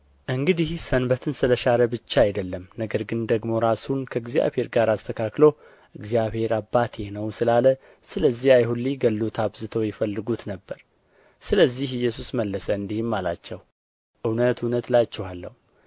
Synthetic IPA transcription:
ʔɨŋɡɨd̪ihsənbət̪ʰɨnsɨləʃaləbɨt͡ʃːaajd̪əlːəmnəɡəɾɡɨnd̪əɡmo̞ɾasunkʰəɨɡzija̰βhe̞ɾɡaɾast̪ʰəkʰaklo | ʔɨɡzijaβhe̞ɾabːat̪ʰenəwsɨlalə | sɨləzːihajɦulːiɡəlːut̪ʰaβzɨt̪ʰəwjɛfəlːɨɡut̪nəbːəɾ | sɨləzːihɨjːɛsusməlːəsəɨnd̪ihɨmːala̰t͡ʃːɛw | ʔɨwnət̪unət̪lat͡ʃːɛhalːə̰hu

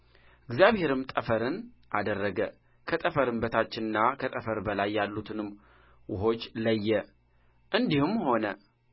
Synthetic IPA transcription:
ɨɡzijaβhe̞ɾɨmt̪ʼəfəɾɨnʔad̪ərːəɡə | kʰət̪ʼəfəɾɨmbət̪ʰat͡ʃːɪnɨnːakʰət̪ʼəfəɾbəlajːalːut̪ʰɨnɨmː | wʔʊɦo̞t͡ʃːləjːɛ | ʔɨnd̪ihumho̞nə

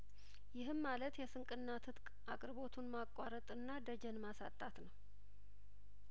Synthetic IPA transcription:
jɪɦɨmmalət̪jɛsɨŋkʼɨnːat̪ʰɨt̪k | ʔakʼɾbo̞t̪ʰunmakʼːaɾət̪ʼɨnːad̪əd͡ʒɛnmasa̰t̪ʼːat̪nəw

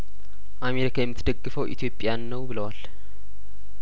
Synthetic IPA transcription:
ʔameɾikʰajɛmːɨt̪ʰd̪əɡːɨfəwʔḭt̪ʰjo̞pʼːjanːəwbɨləwal

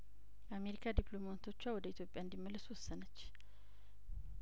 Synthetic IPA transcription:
ame̞ɾikʰad̪iplo̞mat̪ʰo̞t͡ʃːwawɔd̪əit̪ʰjo̞pʼjaɨnd̪imːəlːəswɔsːənət͡ʃː

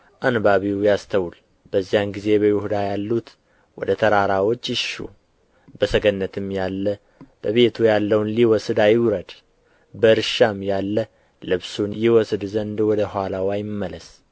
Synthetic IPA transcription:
ʔanbaβiwjast̪ʰəwul | b̥əzːijanɡize̞bəjɪhud̪ajalːut̪ | wɔ̰d̪ət̪ʰəɾaɾawo̞t͡ʃːɪʃṵ | bəsəɡənːət̪ʰɨmjalːə | b̥əβe̞t̪ʰujalːəwnliwɔsɨd̪ajɪwɾəd̪ | bəɾʃamjalːə | lɨβsunjɪwɔsɨd̪zənd̪wɔd̪əhʷalawajɪmmːələs

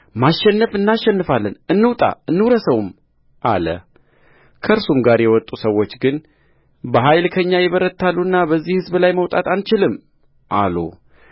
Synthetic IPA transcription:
maʃːɛnːəfɨnːaʃːɛnːɨfalːənɨnːɨwt̪ʼa̰ɨnːɨwɾəsəwm | ʔa̰lə̰ | kʰəɾsumɡaɾjɛwɔt̪ʼːusəwːo̞t͡ʃːɡɨn | bəɦajlkʰəɨɲːajɛβəɾət̪ʰːalːuɨnːabəzːihɨzbɨlajməwt̪ʼat̪ʰant͡ʃɪlɨmː | ʔa̰lṵ

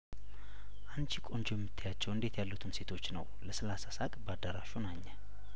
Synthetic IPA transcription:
ʔant͡ʃikʼo̞nd͡ʒujɛmːɨt̪ʰːajat͡ʃːɛwɨnd̪e̞t̪jalːut̪ʰunse̞t̪ʰo̞t͡ʃːnə̰wləsəlasasakʼbəad̪əɾaʃunaɲːə

